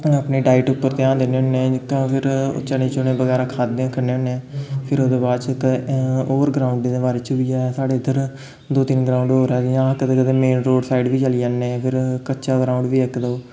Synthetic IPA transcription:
əpneːɖaːɪʈʊpːəɾt̪eãːd̪eːneːɦʊnːek̪õːpʰɪɾ̰t͡ʃənẽːt͡ʃʊnẽːbəɡɛːɾaːkʰaːd̪eãːkʰəneːʊneɛ̃ːpʰɪɾoːd̪eːbaːd̪t͡ʃkːoːɾɡɾaːʊɳɖd̪eːbaːɾeːt͡ʃʰʊbijaːɛsaːɽeːɪd̪əɾ | d̪oːt̪ɪnɡɾãːʊ̃ɳɖɦoːɾɛːjãːkəd̪eːkəd̪eːmeːnɾoːɖsaːiɖʋiːt͡ʃəliːd͡ʒãːnẽːpʰɪɾkəːt͡ʃaːɡɾaːʊ̃ɳɖʋiːɛkd̪oː

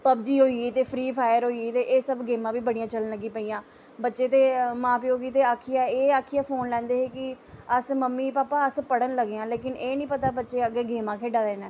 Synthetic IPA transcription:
pəbd͡ʒiːɦoːiːɡiːt̪eːpʰɾiːpʰaːjəɾɦoːiɡiːt̪eːʔeːsəbɡeːmãːbiːbəɽijãːt͡ʃələnləɡiːpəiːjãː | bətːʃeːt̪eːmãːpiːoːɡiːt̪eːaːkʰːijaːeːaːkʰːiːaːpʰoːnlɛ̃ːnd̪eːɦeːkɪ | əsməmːiːpaːpaːəspəɽənləɡːãːleːk̬ɪneːnĩːpət̪aːbətːʃeːəɡːeːɡeːmãːkʰeːɖaːɾɛːnɛː

